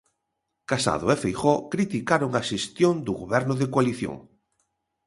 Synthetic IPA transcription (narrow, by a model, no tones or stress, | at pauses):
kasa̰ðʊefejxɔkɾit̪ikaɾʊŋaʃest̪jond̪ʊɣoβɛɾnʊðekwaliθjo̰ŋ